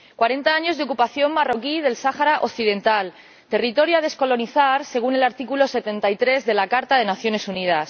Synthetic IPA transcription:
kwaɾe̞nt̪aaɲo̞zðeo̞kupaθjo̞mmaro̞kið̞e̞lsaxaɾaʔo̞kθiðe̞nt̪al | t̪e̞rit̪o̞ɾjað̞e̞sko̞lo̞niθaɾse̞ɣ̞une̞laɾt̪ikulo̞se̞t̪e̞nt̪ajt̪ɾe̞zðe̞lakaɾt̪aðe̞naθjo̞ne̞sunið̞as

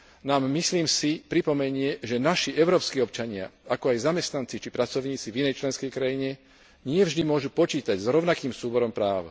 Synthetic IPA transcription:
naːmːisliːmsipɾipɔmɛɲɪɛʒɛnaʃiʔɛʊɾɔːpskiːɔpt͡ʃaɲɪa̰akɔajzamɛst̪nant͡sit͡ʃipɾat͡sɔʊɲiːt͡sivinɛjt͡ʃlɛnskɛjkɾajiɲɛ | ɲɪɛvʒd̪imʊɔʒupɔt͡ʃiːt̪aɟzɾɔʊnakiːmsuːbɔɾɔmpɾaːʊ

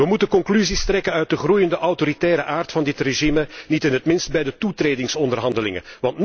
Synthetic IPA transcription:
ʋəmutəkɔŋklyzistrɛkənœɥt̚dəχrujəndəʔɑwtoɾitɛːɾəʔaːrtfɑndɪtreʒimənitɪnɦətmɪnst̚bɛjdətutreːdɪŋsɔndərɦɑndəlɪŋə̰nʋɑntn

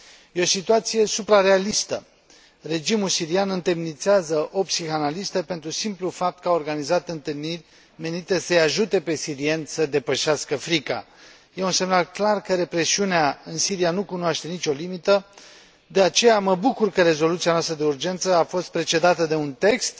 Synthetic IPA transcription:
jeo̞sit̪uat̪sije̞supɾare̞alist̪ə̰ | re̞d͡ʒimulsiɾianɨnt̪emnit̪seazəʔo̞psixanalist̪əpe̞nt̪ɾusimplufap̚t̪̚kəao̞rɡanizat̪ɨnt̪ɨlnirʲ | me̞nit̪e̞səjaʒut̪e̞pe̞siɾie̞nsəd̪e̞pəʃeaskəfɾika̰ | je̞unse̞mnalklarkəɾe̞pɾe̞siuneaɨnsiɾianukunoaʃt̪e̞nit͡ʃʲo̞limit̪ə | d̪e̞at͡ʃe̞jaməbukurkəɾe̞zo̞lut̪sianoast̪ɾəd̪e̞urd͡ʒe̞nt̪səafo̞st̪̚pɾe̞t͡ʃe̞d̪at̪əd̪e̞unt̪e̞kst̪

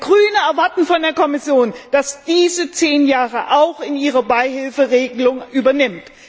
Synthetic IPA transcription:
ɡ̥ʁyːnəɛɐvaɐtn̩fɔndeːɐkʰɔmɪsjoːnd̥asd̥iːzət͡seːnjaːʁəʔaʊxɪniːʁɐbaɪhɪlfəʁeːɡəlʊŋʔyːbɐnɪmt

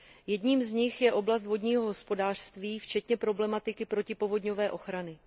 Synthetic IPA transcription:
jɛdɲiːmzɲɪxjɛʔo̞blast̪vodɲiːɦo̞ɦospo̞daːr̥st̪viːft͡ʃɛt̪ɲɛpɾo̞blɛmat̪ɪkɪpɾo̞cɪpo̞vo̞dɲo̞vɛːʔo̞xɾanɪ

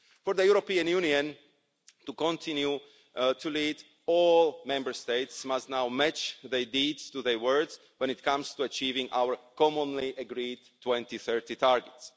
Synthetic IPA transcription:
fɔɹðəjuɾopiãnjũniə̃n | tukɔ̃ntʰɪ̃nju | tulid | ɔlˠmɛ̃mbə˞st̪eɪtsmastnawmɛt͡ʃðɛɹdiːdz̥tuðəɹwɜ˞dz | wɛ̃nɪt̪̚kʰãmst̪uat͡ʃiːvɪ̃ŋʔa̰wə˞kɔmɔ̃nliʔəɡɾid | tʰːwɛ̃nt̪iθɜ˞titʰaɹɡɛts

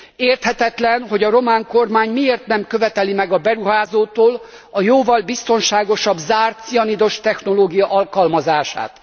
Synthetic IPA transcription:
eːrt̪hɛt̪hɛt̪lɛnɦo̞ɟɒɾo̞maːŋko̞rmaːɲmieːrt̪nɛmkøvɛt̪ɛlimɛɡɒbɛɾuɦaːzoːt̪oːl | ɒjoːvɒlbist̪o̞nʃaːɡo̞ʃɒbzaːrt̪sijɒnid̪o̞ʃt̪ɛxno̞loːɡijɒʔɒlkɒlmɒzaːʃa̰ːt̪

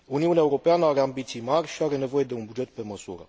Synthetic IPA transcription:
uniunaeuɾo̞peanəaɾeambit̪sijmarʲʃiaɾe̞ne̞vo̞je̞d̪e̞unbud͡ʒe̞t̪̚pe̞məsṵɾə̰

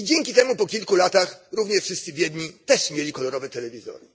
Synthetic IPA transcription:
id͡ʑɛŋʲkʲit̪ɛmupɔkʲilkulat̪axɾuvɲɛʂfʂɘst̪sɘvʲjɛd̪ɲit̪ɛʂmʲjelʲikɔlɔɾɔvɛt̪ɛlɛvʲizɔ̰ɾɨ

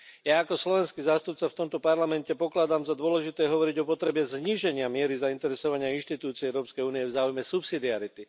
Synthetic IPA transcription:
jaːkɔslɔʋɛnskizaːst̪up̚t͡saft̪ɔmt̪ɔpaɾlamɛncɛpɔklad̪amzad̪ʊɔlɛʒit̪ɛːɦɔʋɔɾiɟɔpɔt̪ɾɛbɛzɲiʒɛɲɪamɪɛɾizaint̪ɛɾɛsɔʋaɲɪainʃt̪it̪uːt͡siɛɛʊɾɔːpskɛjuːnijɛvzaːujmɛsupsid̪iaɾit̪i

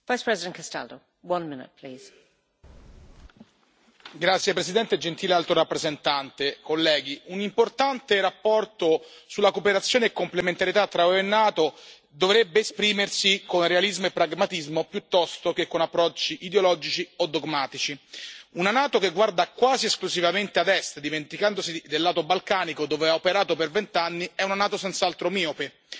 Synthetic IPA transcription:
vajspʰɹ̥ɛzɪdə̃nkʰasta̰ldo̰ʊ | wʌ̃nmɪnɪ̰t̚pʰl̥iːz̥ | ɡɾat̪sːjepɾesid̪ɛnt̪ed͡ʒent̪iːlealt̪ɾoɾapːɾezent̪ant̪ekolːɛːɡiunimport̪ant̪eɾapːɔrt̪osulːakopeɾat̪sːjoːneekːomplement̪aɾjet̪at̪ːɾaoenːaːt̪o | d̪ovɾebːeːspɾiːmersikonrealizmoepːɾaɡmat̪izmopjut̪ːɔst̪okekːonapːɾɔt͡ʃːiʔid̪eolɔːd͡ʒit͡ʃiod̪ːoɡmaːt̪it͡ʃiunanaːt̪okeɡward̪akwaːzieskluzivament̪ead̪ɛst̪d̪iment̪ikand̪osid̪elːaːt̪obalkaːnikod̪oːveaopeɾaːt̪opervent̪anːiɛunanaːt̪osɛnt̪saalt̪ɾomiːope

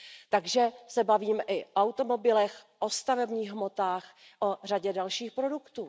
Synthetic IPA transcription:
t̪aɡʒɛsɛbaviːmʔɪʔoawt̪o̞mo̞bɪlɛxʔo̞st̪avɛbɲiːɣɦmo̞t̪aːx | ʔor̝aɟɛdalʃiːxpɾo̞dukt̪uː

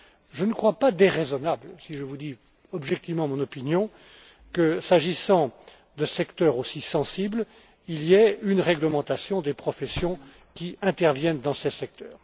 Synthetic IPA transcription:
ʒənəkχwapad̪eʁezɔnablsiʒəvud̪i | ɔbʒɛk̚t̪ivmɑ̃mɔ̃nɔpinjɔ̃ | kəsaʒisɑ̃ | d̪əsɛkt̪œʁosisɑ̃sibl | iliɛynʁɛɡləmɑ̃t̪asjɔ̃d̪epχɔfɛsjɔ̃ | kʲiɛ̃t̪ɛʁvjɛnd̪ɑ̃sesɛk̚t̪œːʁ

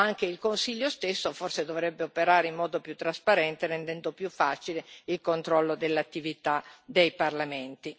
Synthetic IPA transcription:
aŋk̟eilkonsiʎːost̪esːoforsed̪ovɾɛbːeopeɾaːɾeimːɔːd̪opjut̪ːɾaspaɾɛnt̪eɾend̪ɛnd̪opjufːaːt͡ʃileilkont̪ɾɔlːod̪elːat̪ːivit̪ad̪ejparlament̪i

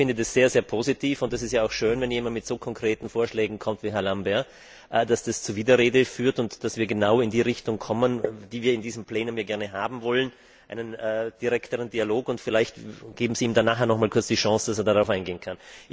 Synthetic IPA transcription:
fɪndədasz̥eːɐzeːɐpʰozitʰiːfʊntd̥as̬ɪstjaːaʊxʃøːnvɛnjeːmandmɪtz̥oːkʰɔŋkʁ̥eːtn̩foːɐʃlɛːɡŋ̩kʰɔmtviːɦɛɐlambɛɐ | ʔd̥asd̥ast͡suːɐviːdɐʁeːdəfyːɐtʊntd̥asv̥iːɐɡənaʊɪndiːʁɪçtʊŋkʰɔmənd̥iːviːɐɪndiːzəm̩pleːnʊmjaɐɡɛɐnəɦaːbm̩vɔlən | ʔa̰ɪnənʔɛːd̥iʁɛktəʁəndiːaloːkʊntfɪlaɪçtɡ̥eːbm̩ziːmdanːaːχɛːɐnɔχmaːlkʰʊɐt͡sd̥iːʃɑ̃sd̥asɛɐdaʁaʊaɪnɡeːənkʰan

